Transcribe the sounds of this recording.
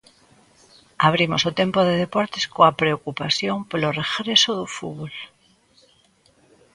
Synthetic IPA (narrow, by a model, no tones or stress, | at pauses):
aβ̞ɾimosot̪empoð̞eðepɔɾt̪eskoapɾeokupaθjoŋpoloreɣɾesoðufuβol